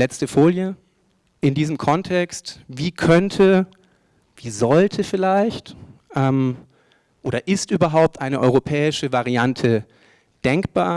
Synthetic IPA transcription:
lɛt͡stəfoːljə | ʔɪndiːzəmkʰɔntʰɛkstviːkʰœntʰə | viːzɔltʰəfɪlaɪçtʔɛːm | ʔoːɾɐʔɪstʔyːbɐɦaʊp̚tʔaɪnəʔɔʏʁopʰɛːɪʃəvaʁiantʰə | d̥ɛŋkb̥aːɐ

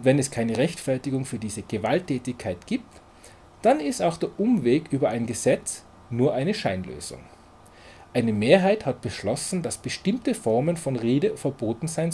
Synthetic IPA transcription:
ʊntv̥ɛnɛskʰaɪnəʁɛçtfɛɐtɪɡʊŋfyːɐdiːzəɡ̥əvaltʰːɛːtɪçkʰaɪtɡ̥iːp̚t | d̥anɪstaʊxd̥eːɐʔʊmveːkʔyːbɐʔaɪnɡəzɛt͡s | nuːɐʔaɪnəʃaɪnlø̰ːzʊ̰ŋ | ʔaɪnəmeːɐɦaɪthat̚b̥əʃlɔsn̩d̥asb̥əʃtɪmtəfɔʁmənfɔnʁeːdəfɛɐboːtn̩zaɪn

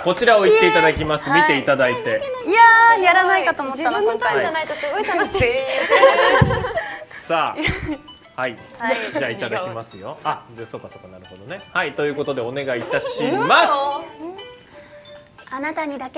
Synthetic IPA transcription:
ko̞t͡ɕiɾao̞it̪ːe̞it̪ad̪akʲimasɨmʲit̪e̞it̪ad̪ait̪e̞ajaɾanaikat̪oːmmoːanoõaanait̪osɨɡoit̪aoɕ | saː | hai | d͡ʑaːit̪ad̪akʲimasɨjo̞aso̞ːkːaso̞ːkːanaɾɯ̟ho̞d̪o̞ne̞hait̪o̞jɯ̟ːko̞t̪o̞d̪e̞o̞ne̞ɡait̪aɕimasɨ | anat̪aɲ̟id̪ake

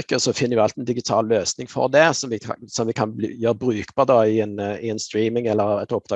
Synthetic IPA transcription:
kːəsɔfɪnːəɾʋɪɑlt̪ɛnd̪ɪɡɪt̪ʰɑ̰ːlløːsnɪŋfɔ̰ʁd̪ɛsɔmʋɪkʰsɔmʋɪkʰɑnb̪jøːɾəbɾʉːkb̥ɑʁd̪ɑɪɛnɪɛnst̪ɾiːmɪŋɛlːəɾɛt̪ɔp̚d̪ɑː

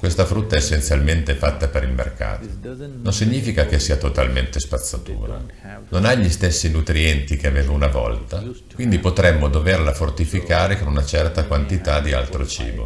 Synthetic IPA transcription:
kwest̪afɾut̪ːaɛesːent̪sjalment̪efat̪ːapeɾilmḛrka̰ːt̪o̥nonsiɲːiːfikakesːiːat̪ot̪a̰lment̪espat̪sːat̪ṵːɾa̰ | nonaʎist̪esːinut̪ɾiɛnt̪ik̟eaveːvaunavɔ̰lt̪a | kwind̪ipot̪ɾɛmːod̪overlafort̪ifikaːɾekonunat͡ʃɛrt̪akwant̪it̪ad̪ia̰lt̪ɾot͡ʃḭːbo̰

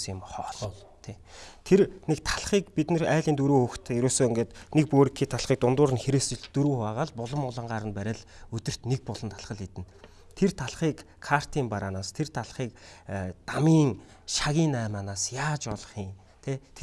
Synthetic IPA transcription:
sɪmχɔːɮ | t̪ʰe | t̪ʰernekt̪ʰḁɮχiːkpit̪nĕræːɮiːnt̪uɾuːxɵxt̪ʰeɾuːsoːeŋɡeːt̪nek̚poːɾĭkʰiːt̪ʰaɮχiːk̚t̪ʊnt̪ʊːɾɘ̆nxeɾeːst͡ɕɪ̆ɮt̪ɵɾuːχaːʁaːɮpʊɮə̆mʊɮə̆ɴɢaːɾə̆npæɾʲɪ̆ɮɵt̪ɵ̆r̥t̪nek̚pʊɮɞ̆nt̪ʰaɮχə̆ɮit̪ɘ̆n | t̪ʰert̪ʰaɮχiːkʰːar̥t̪ʰiːmpaɾaːnaːst̪ʰert̪ʰaɮχiːkt̪amiːŋ | ʃaɣʲiːnæːmaːnaːsjaːt͡ɕɔɮɞ̆χiːŋ | t̪ʰet̪ʰe

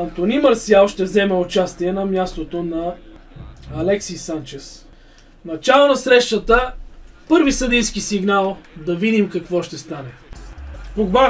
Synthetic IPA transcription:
ɐnt̪onimɐɾsialˠʃt̪ɛvzɛmɛʊt͡ʃast̪iɛnɐmjast̪ot̪onɐː | lɛksisant͡ʃɛs | nɐt͡ʃalˠonɐsɾɛʃt̪ət̪əpɤɾvisəd̪ijskisiɡnalˠd̪ɐvid̪imkɐkvɔʃt̪ɛst̪anɛ | poɡva

